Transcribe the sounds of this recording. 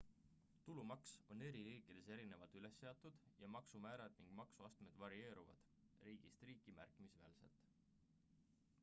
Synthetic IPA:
t̪ulumɑkso̞ne̞ɾiɾiːkid̪̥ese̞ɾine̞vɑlt̪yle̞sːe̞ɑt̪ːˑud̪̥jɑmɑksumæːɾɑd̪̥niŋɡ̥mɑksuɑst̪me̞d̪̥vɑɾie̞ːɾuvɑ̰d̪̥ | riːɡ̥ist̪riːkˑimæ̰rkˑimisveːlse̞̰lt̪ˑ

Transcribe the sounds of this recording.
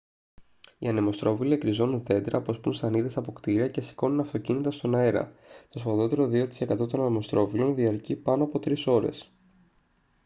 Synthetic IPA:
ḭɐnemo̞st̪ɾo̞vilie̞kɾizo̞nunθe̞d̪ɾɐpo̞spunst̪ɐniðesɐpo̞kt̪iɾiɐce̞si̥ko̞nunɐft̪o̞cinit̪ɐst̪o̞nɐe̞ɾɐ̰t̪o̞sovɐðo̞t̪e̞ɾo̞ðio̞t̪i̥se̞kɐt̪o̞t̪o̞nɐnemo̞st̪ɾo̞vilo̞nðiɐɾcipɐno̞ɐpo̞t̪ɾiso̞ɾe̞̰s

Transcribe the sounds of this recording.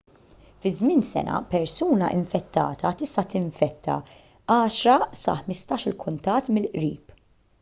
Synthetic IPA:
fɪzmɪnsɛ̰nʔɐ̰pɛɾsuːnɐʔɪ̰ɱfɛt̪ːɐ̰ːt̪ʰɐt̪ɪst̪ɐt̪ɪɱfɛt̪ʰːɐ̰ | ɐːʃɾɐsɐ̰ħmɪst̪ɐːʃɪlkʊnt̪ɐt̪ːmɪlʔɾiːp

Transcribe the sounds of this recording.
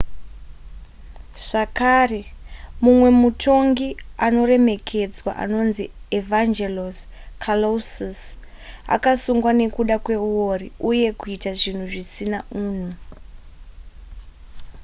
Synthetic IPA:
ʐ̥akare̞mumwe̞mutʰo̞ŋɡiano̞re̞me̞kʰe̞d͡zwa̰ʔa̰no̞nzievand͡ʒelos | kʰalosis | a̰kasuŋɡwane̞kuɗakwe̞uwo̞riuje̞kuitaʐin̤uʐisinaʔuːn̤u

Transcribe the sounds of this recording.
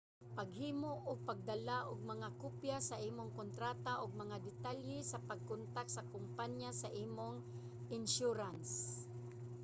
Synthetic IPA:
paɡhiːmoʔʊɡ̚paɡ̚d̪alaʔʊɡ̚mɐŋakʊpjasɐʔiːmoŋkont̪ɾaːt̪aʔʊɡ̚mɐŋad̪ɪt̪aljɛsɐpaɡ̚kʊnt̪ak̚t̪sɐkʊmpanjasaʔiːmoŋ | ɪnʃuɾans

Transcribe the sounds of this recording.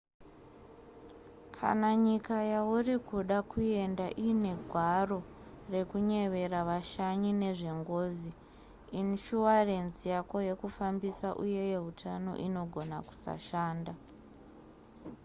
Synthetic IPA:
kʰa̰naɲikajaurikuɗakue̞ndaʔiːne̞ɡʱwaro̞ | re̞kuɲe̞ʋe̞raʋaʃaɲineʐe̞ŋɡo̞ːzi | inʃuware̞nzijako̞je̞kufambisaʔuje̞je̞ɦutʰano̞̰ʔino̞ɡʱo̞na̰ku̥sa̰ʃaːnda

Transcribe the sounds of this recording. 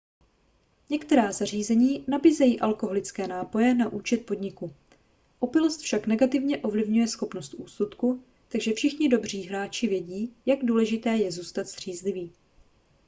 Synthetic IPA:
ɲɛkt̪ɛɾaːzar̝iːzɛɲiːnabiːzɛjiːʔalko̞ɦo̞lɪt͡skɛːnaːpo̞jɛnaʔuːt͡ʃɛt̪̚po̞dɲɪku | ʔo̞pɪlost̪fʃaknɛɡat̪ɪvɲɛʔo̞vlɪvɲujɛsxo̞pnost̪ʔuːsut̪ku | t̪aɡʒɛfʃɪxɲɪdo̞br̝iːɦɾaːt͡ʃɪvjɛɟiːjaɡduːlɛʒɪt̪ɛːjɛzuːst̪at̪z̥r̝̥iːzlɪviː

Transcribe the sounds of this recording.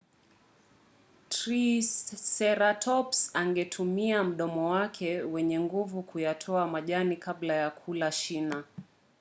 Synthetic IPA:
tɾisːɛɾatʰɔpsaŋɡɛtʰumiam̩ɗɔmɔwakʰɛwɛɲɛŋɡuvukujatʰɔamaʄanikablajakʰulaʃina

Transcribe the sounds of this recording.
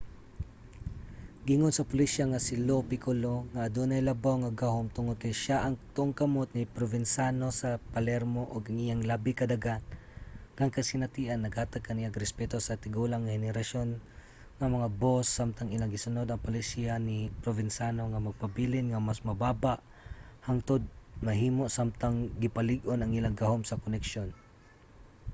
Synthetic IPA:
ɡɪŋonsɐpʊlisaŋɐsɪlopɪkoloŋɐʔːd̪onɐjlɐbawŋɐɡahomt̪ʊŋod̪̚kɐjʃaʔɐŋt̪ʊʔoŋkɐmot̪̚nɪpɾovɪnsano̞sɐpɐlɛɾmoʔoɡɐŋʔijaŋlabɪkɐd̪aɡan | kɐŋkɐsɪnɐt̪iʔɐnːɐɡhaːt̪ɐɡ̚kɐnijaɡɾɛspɛt̪o̞sɐt̪ɪɡulaŋːɐhɛnɛɾɐʃo̞n | ŋɐmɐŋabosːamt̪aŋɪlaŋɡɪsʊnod̪ɐŋpolɪsianipɾovɪnsanoŋɐmɐɡ̚pɐbilɪnŋɐmasmɐbaːbaʔ | haŋt̪od̪̚mɐɦiːmoʔsamt̪aŋɡɪpɐlɪɡʔonɐŋʔɪlaŋɡɐhomsɐkonɛkʃon

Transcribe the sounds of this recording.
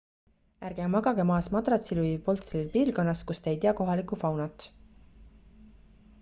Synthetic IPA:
ærɡ̥emɑɡ̥ɑɡ̥emɑːsmɑd̪rɑt̪siluipo̞lt̪selilpiːlɡo̞nːɑskust̪eejt̪iɑko̞ɦɑlikˑufɑwnɑt̪ːˑ

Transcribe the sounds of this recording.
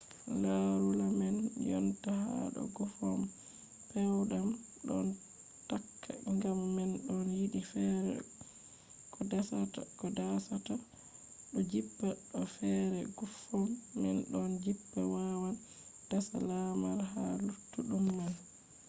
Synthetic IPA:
laɾulamɛnjɔntaha̰ɗɔ̰ɡufɔm | pɛwɗam | ɗɔn | takːa̰ŋɡamːɛnɗɔnjiɗifɛɾɛ̰ | kʰɔdasata̰kɔdasata | ɗɔd͡ʒibːaɗɔfɛɾɛɡufɔmːɛ̰nɗɔnd͡ʒibːawawa | d̥asalamaɾɦalutːuɗumːan

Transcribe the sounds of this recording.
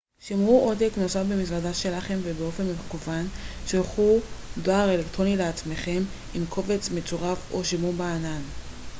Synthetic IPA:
ʃimʁuʔodeknosafbemizladaʃe̞laχe̞mvebeo̞fe̞nmekuvanʃelχudoaʁe̞lektʁo̞nileat͡sme̞χe̞m | imkʰo̞ve̞t͡smet͡soʁafo̞ʃemubaːnan

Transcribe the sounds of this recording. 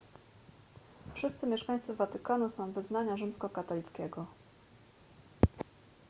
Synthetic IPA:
fʂɘst̪sɘmʲjɛʂkaɲ̃t̪sɘvat̪ɘkanusɔ̃w̃vɘznaɲaʐɘmskɔkat̪ɔlʲit̪skʲɛɡɔ

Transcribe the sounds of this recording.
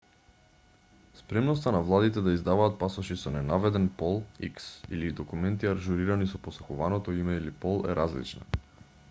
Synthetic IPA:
spɾɛmnɔst̪anavlˠad̪it̪ɛd̪aizd̪avaːt̪̚pasɔʃisɔnɛnavɛd̪ɛnpɔlˠiksḭlid̪ɔkumɛnt̪iaɾʒuɾiɾanisɔposɔxuvanɔt̪ɔimɛilipɔlˠɛ̰ɾʔazlḭt͡ʃna̰

